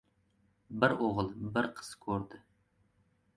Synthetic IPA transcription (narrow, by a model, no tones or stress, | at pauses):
bɪɾoʁəlˠbɪɾqʰə̥skʲʰɵɾd̪ɪ